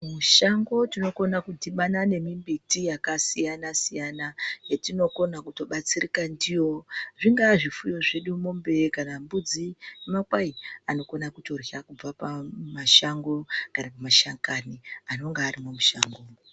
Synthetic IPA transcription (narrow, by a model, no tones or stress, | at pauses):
muʃaŋɡo̞tino̞ko̞nakudiɓanane̞mimbitijakasijanasijanajetino̞ko̞nakuto̞ɓat͡sirikandijo̞ʐiŋɡaʐifujo̞ʐe̞ɗumombe̞kanambud͡ziemakwaiano̞ko̞nakuto̞rjakub͡vapamaʃaŋɡo̞kanapamaʃaŋkaniano̞ŋɡaːrimomuʃaŋɡoːm